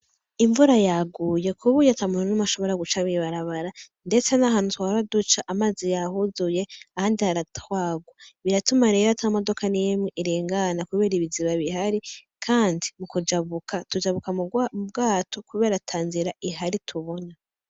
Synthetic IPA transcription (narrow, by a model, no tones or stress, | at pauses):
iɱvuɾajaɡuːje̞kʰuβujatamunanamaʃo̞βo̞ɾaɡut͡ʃaβiβaɾaβaɾa | nde̞t͡senaɦaːn̥utuaɾadut͡ʃaʔamaːzijahuzuje̞ahaːndihaɾatwaːɡwaβiɾatumaɾeɾatʰamodo̞kʰanimŋeʔiɾiːŋɡanakuβe̞ːɾiβiziβaβiɦaɾi | kʰaːndimukud͡ʒaβukatud͡ʒaβukamub̚ɡaːtʰo̞kuβe̞ːɾatʰaːnziɾaʔiɦaɾitʰuβo̞na